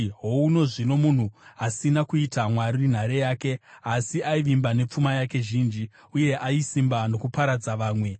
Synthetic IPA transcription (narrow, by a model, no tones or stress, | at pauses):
ɦo̞uno̞ʐino̞mun̤uasinakuitamwaɾin̤aɾejaːke̞asiaiʋimbane̞p͡fumajake̞ʒiːnd͡ʒi | uje̞ʔaisimbano̞kupaɾad͡zaʋaːmwe̞